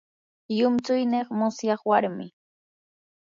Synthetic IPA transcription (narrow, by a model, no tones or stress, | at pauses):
jʊmt͡sʊjneχmʊsjɑχwaɾmɪ